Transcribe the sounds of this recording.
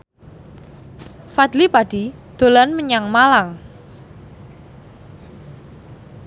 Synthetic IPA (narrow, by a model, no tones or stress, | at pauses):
fad̪lipaɖ̥i̤d̪̥o̤lanməɲaŋmalaŋ